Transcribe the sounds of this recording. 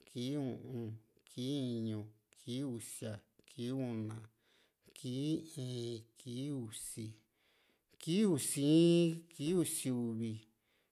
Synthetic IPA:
ki˦ũ˧ʔũ˧kʰi˦˧ɲũ˧kʰi˦u˧sja˨kʰi˦ũ˧nã˨ | kʰi˦ĩ˨˦ki˦u˧˨si˧ | ki˦u˧si˦ki˦u˧si˧u˧βi˧

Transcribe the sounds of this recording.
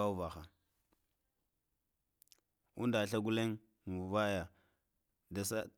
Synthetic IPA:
a˦u˦va˨xa˨ | ṵ˦nda˨ɬa˦ɡu˦le˦ŋ | mu˨va˦ja˨ | da˨sa˦

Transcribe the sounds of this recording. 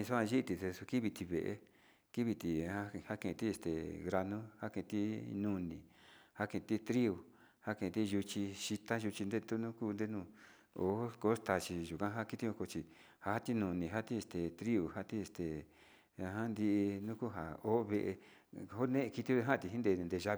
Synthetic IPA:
ĩ˧su˦ã˧ʒi˦˧t̪i˧t̪e˧su˧ki˦βi˧t̪i˧βḛ˨ʔḛ˧ | ki˦βi˧t̪i˨˧a˦ha˦kẽ˧˨˧t̪i˦e˧st̪ḛ˨ɣɾa˧nũ˦ha˦kẽ˧˨˧t̪i˦nũ˦˧nĩ˨ha˦kẽ˧˨˧t̪i˦t̪ɾi˦u˨ | ha˦kẽ˧˨˧t̪i˦˧ʒu˧t͡ʃi˧ʃi˧t̪a˦ʒu˧t͡ʃi˧nd̪e˦t̪u˦nũ˦kuː˦˧nd̪e˦nũː˦˧ | o̰˨˦ko˧˦st̪a˧t͡ʃi˧ʒu˨kã˦ɦa˦˧ki˦t̪i˦õ˧˦ko˧t͡ʃi˧ | ha˧ha˦t̪i˦nũ˧nĩ˨ɦa˦t̪i˦e˧st̪e˨t̪ɾi˦u˨ha˦t̪i˦e˧st̪e˨ | a˧ɦã˦nd̪i˧ʔnũ˦ku˦ɦa̰˨o˦βe˧ʔḛ˧ | o˦nẽ˦ʔki˧t̪i˦o˦˧ɦã˦˧t̪i˧ɦi˦nd̪ẽ˧nd̪e˧ʒa˦˧

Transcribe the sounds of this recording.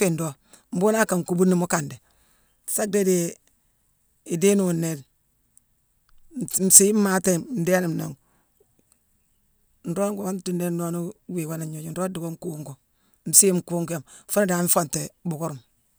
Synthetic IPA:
fi˦˨ndo˦ | m̩˦bu˦na˦ka˨ŋ˨ku˦bu˦nːi˦mu˦ka˨nde˨ | sa˦k̚de˦de˦ | i˨de˦nu˨nːe˨d | m̩˨si˦m˦ma˦te˦m̩˨de˦ni˨m˨na˨ŋ˨ | n̩˨ɾo˦ŋɡo˨a˦nti˦nde˦no˦nu˦wi˨wa˦na˨ɲo˨d͡ʒi˨n̩˨ɾo˦di˨ɡo˦ŋ˦ku˦ŋɡu˨ | m̩˨si˦mku˦ŋke˨m˨fo˦na˦da˨ŋ˦m˦fo˦˨nte˨bu˨ku˦ɾu˨m

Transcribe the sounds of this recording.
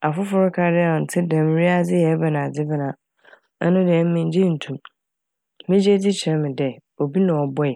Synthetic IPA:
a˨fʊ˦fʊ˦ɾʊ˦kʰa˦dɪ˦˨ɔ˨n̩˨tʰɪ˦dɛ̃˨m˨ɾi˦a˦d͡zɪ˦jɛ˨˦bɛ˨nã˨d͡zɪ˦bɪ˦nã˨ | ɛ̰˦nʊ̃˦dɛ˨˦m˦mɪ̃˦ɲ̩˦d͡ʑĩ˦n̩˨tʰũ˨m | mɪ̃˦d͡ʑe˦di˦t͡ɕʰɾɛ̃˦mɪ̃˨dɛ˨o˨bi˦nã˨ɔ˨bɔ˦ɛ˨

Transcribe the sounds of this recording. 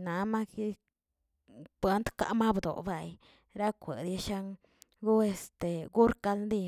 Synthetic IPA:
na˨˧ma˦ki˦ | pwe˦nt̪ka̰˦ʔma˦bd̪o̰˨ba˨j | ɾa˦kʷḛ˨d̪ja˧ʃa˧ŋ | ɡu˦e˧st̪e˨ɡu˦ɾka˧lnd̪i˦˧

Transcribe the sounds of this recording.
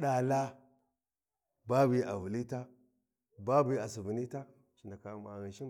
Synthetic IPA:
ɗa˨la˦ | ba˦bi˨˦a˨vu˨li˦ta˦ | ba˦bi˨˦˨a˨s̬i˨vi˨ni˦ta˦ | t͡ʃi˨nda˨ka˨ma˨ɣi˨ʃi˦

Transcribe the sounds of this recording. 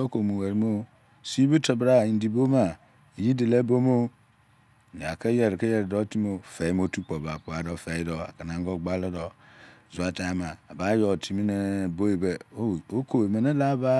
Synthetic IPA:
o˦ko˨mu˨we˨ɾmo˦ | si˦bi˦te˨bɾa˦˨i˨n̩˨˦di˨bo˦ma˨ | ji˦de˨le˦bo˦mo˦˨ | a̰˨ke˦je˨ɾke˦je˨ɾdo˦ti˦mo˦fe˨˦mo˦tu˦k͡po˨ba˨pu˦a˨˦dɔ˨fe˨i˦do˨a̰˨ka˨na˨ŋ˦ɡo˦ɡ͡ba˦lo˦dɔ˨ | zu˨a˨ta˨a˦ma˨a˨ba˦jo˨tʰi˨mi˦ne˦bo˦e˨be˨o˦o˦ko˨e˨me˨ne˦la˦ba˦

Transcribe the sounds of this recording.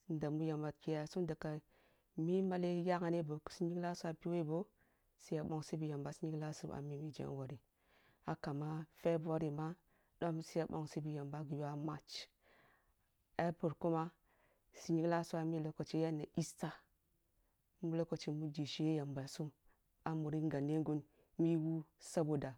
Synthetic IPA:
n˨da˨mu˦ja˨mba˨t̚ki˨ja˨su˦da˨ka˨ | mi˦ma˦le˦ja˦ka˨ne˦˨bo˨ksi˦ɲi˦kla˦su˦a˨pi˦we˦˨bo˦ | si˦ja˨ɓo˦ŋsi˦bi˨ja˨mba˨˦si˦ɲi˦kla˦su˦a̰˨mi˦mi˨d͡ʒḛ˦wo˨ɾi˨ | a˨ka˨ma˦fe˦bwo˦ɾi˨ma˦ | ɗo˦msi˦ja˨bo̰˦ŋsi˦bi˦ja˨mba˦ɡi˨ja˦ma˦t͡ʃ | a˦pu˨ɾku˦ma˦ | si˨ɲi˦kla˦su˦a˨mi˦lo˦ko˨t͡ʃe˦ja˦nːe˨i˦sta˦ | mu˦lo˦ko˨t͡ʃe˨mu˦d͡ʒi˨ʃi˦je˦ja˨mba˨lsu˦m | a˨mu˨ɾi˦ŋɡa˨nːe˦ŋɡu˦n | mi˦wu˦sa˦bo˨da˨

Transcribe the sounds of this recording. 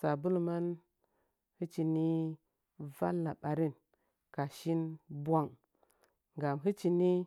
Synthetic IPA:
sa˨bu˦lma˦n | hɨ˦t͡ʃi˨ni˦ | va̰˦lːa˨ɓa˨ɾi˦˨n | ka˨ʃi˦nbwa˦˨ŋ | ɡa˨mɦi˦t͡ʃi˧ni˦

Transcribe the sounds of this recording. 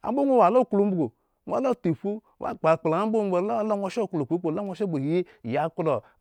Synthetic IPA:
a̰˨˦bo˦ŋʷo˦˨wa˨lo˦˨ku˨lu˦m̩˦bu˨ɡo˨ | ŋʷ˦a̰˨˦lo˦˨ti˨fu˦wa̰˦˨k͡pa˨k͡pla˨a˦bo˦˨˦e˨ɾa˦lo˦o˦ʃo˦˨klo˨k͡pe˨˦k͡po˨˦la˦ŋʷo˧˦ʃe˦˨bo˨˦i˦˨ja˨ku˦do˨

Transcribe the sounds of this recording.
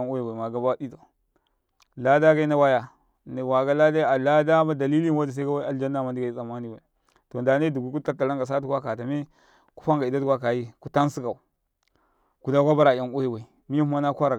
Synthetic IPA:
ŋo˦ji˨wa˨i˨ma˨ɡa˨ba˦di˦to˨ | la˦da˦ɡa˦i˦na˦wa˦ja˨ | n˨wa˨ɡa˦la˦da˦a˨la˦da˦ma˦da˨li˦li˦n˦wa˦di˨s̬a˦ɡa˦wa˨ld͡ʒa˦nːa˨ma˨ndi˦ɡa˨i˦sa˨ma˦ni˨wa˨ | to˨nda˨˦ne˦du˨ɡu˦ku˦ta˦ta˨la˦ŋɡa˨s̬a˦tu˦kʷa˦ka˨ta˨mi˦ | ku̥˦fa˦ŋɡa˨i˨da˦tu˦kʷa˦ka˨ji˦ku˦ta˦n˦si˦ka˨u˨ | ku˨da˦ɡa˦ba˦ɾa˨a˨ŋo˦ji˦wa˨i˨ | mi˦ju˦ma˦na˦kʷa˦ɾa˨

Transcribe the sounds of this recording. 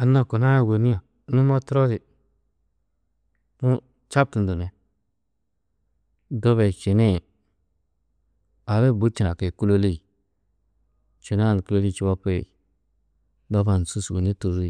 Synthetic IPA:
a˨na˦˨ko˨na˦˨we˨ni˦o˨˦ | nu˦mo˦tɾo˦di˨ | nu˦ | t͡ʃa˦b̚tu˨n˨du˨ne˨ | do˦βe˨t͡ʃi˨ne˦˨ | a˨βe˦˨bu˦t͡ʃi˨na˨ke˨ku˦lo˦li˦˨ | t͡ʃi˨na˦˨n˨ku˦lo˦li˦˨t͡ʃi˦ba˦pḛ˦˨ | do˦ba˨n˨su˦swṵ˨ni˦tu˨zu˦˨

